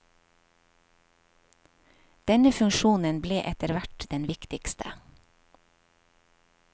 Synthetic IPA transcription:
d̪̥ɛnəfʉŋʃuːnənbleːʔɛt̪əɾʋæʈd̪̥ɛnʋɪkt̪ɪkst̪ʰə

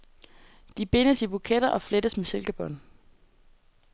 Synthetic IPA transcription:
d̥ib̥e̝nəsib̥ukʰed̥ɐʔɒ̽fled̥əsmese̝lɡ̥æb̥ɒ̽n

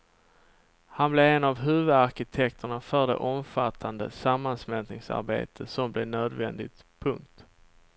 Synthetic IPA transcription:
hanblɛɛnavɦʉ̟ːvɵd̪aɾkɪt̪ʰɛkt̪ʰəɳafœɖɛ̰ʔɔmfat̪ʰːand̪ə̰samːansmɛlt̪nɪŋsa̰ɾbḛːt̪ʰəsɔmblɛnøːd̪vɛ̰nd̪ɪɡt̪pʰɵŋk̚t̪

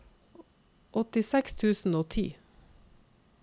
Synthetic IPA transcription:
ʔɔt̪ɪsɛkst̪ʰʉːsn̩oːt̪ʰḭː

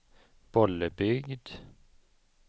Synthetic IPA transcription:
b̥ɔlːəbʏɡd̪

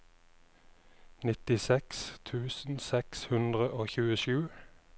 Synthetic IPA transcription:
nɪt̪ɪsɛkst̪ʰʉːsn̩sɛkshʉnd̪ʁəʔoːçʉːəʃʉː

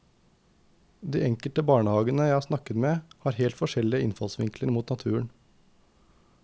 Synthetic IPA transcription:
d̪ḭːʔɛŋkəlʈ̪əbɑːɳəhɑːɡənəjæɪhɑːɾsnɑkət̪meːhɑːɾheːlt̪fɔʃɛlɪəɪnfɑ̰lsʋɪ̰ŋkləɾmuːt̪nɑt̪ʰʉːəɳ

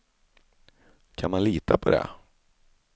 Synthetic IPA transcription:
kʰanmanliːt̪ʰapʰɔd̪ɛ̰

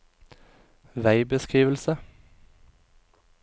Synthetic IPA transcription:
ʋæɪbəskʁiːʋəlsə

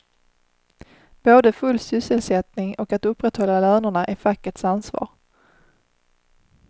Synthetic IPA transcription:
b̥oːd̪əfɵlːsʏsəlsɛt̪nɪŋɔkat̪ɵpːɾɛt̪hɔlːalœːnəɳaʔæɾfakːəʈsansvɑ̰ːɾ

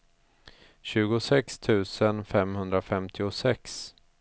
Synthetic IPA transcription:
ɕʉ̟ːɡʊsɛkst̪ʰʉ̟ːsənfɛmhɵnd̪ɾafɛmt̪ʰɪʊsɛks

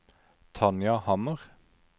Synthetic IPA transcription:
t̪ʰɑnjɑhɑməʁ

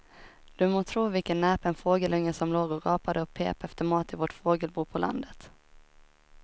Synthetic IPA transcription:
d̪̥ɵmoːt̪ʰɾuːvɪlkənːɛːpɛnfoːɡəlɵŋːəsɔmloːɡɔɾɑːpad̪əɔpʰḛːpɛft̪əɾmɑːt̪ɪvɔʈfoːɡəlbuːpʰɔlʔa̰nd̪ət̪

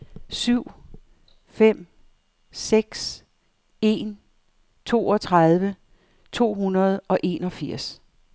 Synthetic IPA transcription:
syʊ̰ | fem̰ | seɡ̥s | e̝ːn | t͡sʰo̝̰ːɒ̽t͡sʰʁað̞ˠʋə | t͡sʰo̝̰ːhunɐð̞̩ˠɒ̽ʔe̝nɒ̽fiɐ̰s

